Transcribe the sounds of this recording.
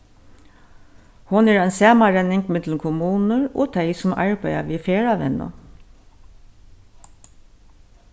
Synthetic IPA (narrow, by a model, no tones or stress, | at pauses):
hʊnæːɹæɪnsæːmɑɹɛnɪŋɡmɪd̪lm̩kʰʊmuːnəɹo̰ːt̪ʰæɪsɔmʔɑ̰ɹbæɪɑ̰ʋiːfeːɹɑʋɛ̰nə̰